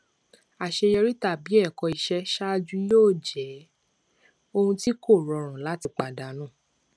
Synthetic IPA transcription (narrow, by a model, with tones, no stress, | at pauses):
a˨ʃe˧jɛ˧ɾi˦ta˦˨bi˨˦ɛ˦˨kɔ˧i˧ʃɛ˦ʃa˦˧d͡ʒu˦joː˦˨d͡ʒɛ˨˦ | o˧hũ˧ti˦ko˦˨ɾɔ˧ɾ̃ã˨la˨˦ti˧k͡pa˨da˨˦nũ˦˨